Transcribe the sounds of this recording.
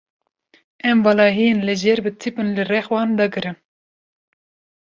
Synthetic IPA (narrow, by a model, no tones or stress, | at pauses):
ɛmvɑlɑːɦijenlɨʒɛɾbɨt̪ʰipɨnlɨrɛxwɑːnd̪ɑɡɨɾɨm